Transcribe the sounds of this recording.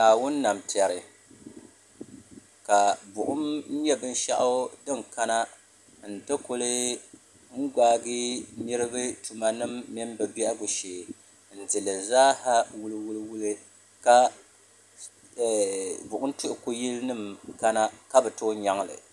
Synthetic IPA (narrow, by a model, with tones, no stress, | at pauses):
naː˨wʊ˦nːa˨mti˨a˨ɾɨ˨ | ka˨bʊ˨ʔʊ˦mn̩˦jɛ˦bɨ˦n˦ʃa̰˦ʔʊ˦dɨ˦ŋka˦na˦ | n̩˨tɨ˦ko˦lɨ˦ | ŋ̩˦ɡaː˦ɡi˦ni˦ɾɨ˦bɨ˦tu˨ma˦nɨ˦mːi˦m˦bɛ˨bɛ˦ʔa˦ɡʊ˨ʃeː˨ | n̩˨dɨ˨lɨ˨zaː˦ha˦wʊ˦lɨ˦wu˦lɨ˦wu˦lɨ˦ | ka˦˨ | bʊ˨ʔʊ˦n˦tʊ˦ʔʊ˨ku˦ji˦lnɨ˦mka˦na˦ka˦bɛ˨to˦ɲa˦ŋ˦lɨ̰˨